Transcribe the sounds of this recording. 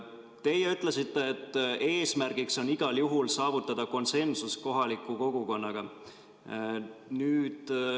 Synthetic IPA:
t̪e̞jeyt̪ˑle̞sit̪ːe̞ːt̪ːe̞ːsmærɡ̥ikso̞niɡ̥ɑljuɦulsɑːvut̪ˑːɑd̪̥ɑko̞nse̞nsusko̞ɦɑlikːˑuko̞ɡ̥uko̞nːɑɡ̥ɑ | nyːd̪̥

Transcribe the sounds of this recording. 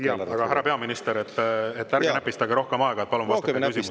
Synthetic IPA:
ɑɡ̥ɑæɾɑpe̞ɑminist̪eɾet̪ˑːet̪ːærenæpːˑist̪ɑɡeɾo̞hkemɑeɡ̥ɑet̪̚ːpɑlumvɑsk̪ɑkysiuu

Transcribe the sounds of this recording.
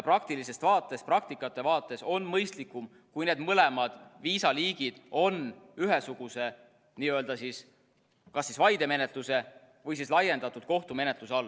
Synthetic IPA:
prɑk̚t̪ilise̞st̪vɑːt̪ːˑe̞st̪prɑk̚t̪ikːˑɑt̪ːˑe̞vɑːt̪ːˑe̞so̞nːmɤjst̪likːˑum | kujne̞ːd̪̥mɤle̞mɑd̪̥viːsɑliːɡ̥id̪̥o̞nyɦesuɡ̥use̞ | niːø̞ld̪̥ɑsis | kɑsːisvɑjd̪̥e̞me̞ne̞t̪luse̞ | vɤjsislɑje̞nd̪̥ɑt̪ːˑud̪̥ko̞ht̪ume̞net̪luseo̞lː

